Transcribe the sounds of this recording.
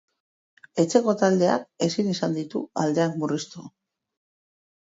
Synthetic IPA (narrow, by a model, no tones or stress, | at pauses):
e̞t͡se̞ko̞t̪ald̪e̞a̰ke̞sinisand̪it̪uald̪e̞akmurist̪u